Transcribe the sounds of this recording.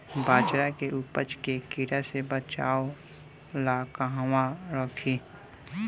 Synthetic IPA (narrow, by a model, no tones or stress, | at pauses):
baːd͡ʒɾakeʔupəd͡ʒkekiɾasebət͡ʃaːo | laːkaɦwãɾɔːkʰiː